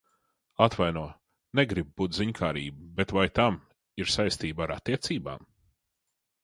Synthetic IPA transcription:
at̪vajnuɔ | neɡɾib̚ːuːt̪ziɲkʰaːɾḭːbubet̪vajt̪am | iɾsajst̪iːbaɾat̪ːiɛt̪siːba̰ːm

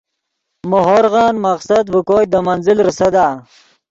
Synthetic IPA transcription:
moɦoɾɣɑːnmaqsad̪bukoːjd̪əmanzɪlɾəsɐd̪aː

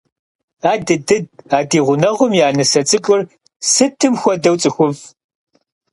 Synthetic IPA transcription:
aːdɨdɨd̚aːdiːʁʷʊnɐʁʷʊmjaːnɨsɐt͡sʼɨkʷʼʊr | sɨtʰɨmxʷɔdɐwt͡sʼɨxʷʊv

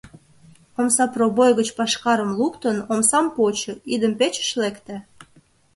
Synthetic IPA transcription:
omsɑprobojɣət͡ɕpɑʃkɑɾəmlukt̪ənomsɑmpot͡ɕɤ̆id̪əmpet͡ɕə̥ʃlekt̪æ

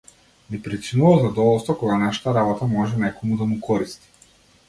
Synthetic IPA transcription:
nipɾit͡ʃinuvalˠzad̪ɔvɔlˠst̪vɔkɔɡanaʃḁt̪aɾabɔt̪amɔʒɛnɛkɔmud̪amukʰɔɾist̪i̥

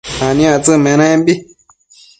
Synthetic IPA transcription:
ãnĩãt͡sɨmɛ̃ɾãɛ̃mbi

